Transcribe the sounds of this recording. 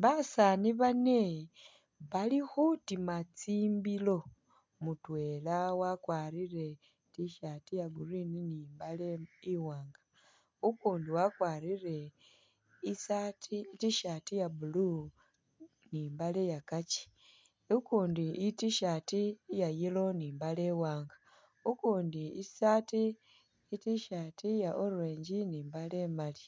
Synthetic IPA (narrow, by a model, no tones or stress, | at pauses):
βasaniβane | βalixutimat͡siːmbilo̞ | mutwe̞lawakwaːɾire̞ | tiʃatijaɡurininimbaleiwaːŋɡa | ukuːndiwakwaːɾire̞ | isatʰitiʃaːtijabulu | niːmbalejakaci̥ | ukuːndiitiʃaːtijajiloniːmbaleːwaːŋɡa | ukuːndiisaːtiː | tiʃaːtʰijaʔoɾweːɲɟiniːmbalemali